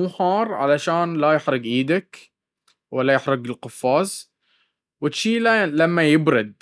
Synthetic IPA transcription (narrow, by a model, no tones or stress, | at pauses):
uːħɑːɾˤʕa̰laʃaːnlajɪħɾʊɡʕiːd̪ak | walːajɪħɾʊɡɪlqʊfːɑːz | wɪt̪ʃiːlalamːajɪbɾɪd̪̚